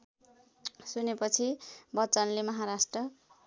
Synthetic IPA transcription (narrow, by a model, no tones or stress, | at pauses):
sunepʌt͡sʰibʌt͡sʌnlemʌɦaɾasʈrʌ